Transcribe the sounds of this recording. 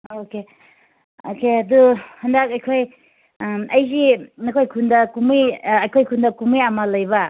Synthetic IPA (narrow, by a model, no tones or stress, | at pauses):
oke | okeɐduhɐndak̚ɐjkʰoj | ɐjzinɐkʰojkʰundɐkumijːjkʰojkʰundɐkumijamɐlɐjβɐ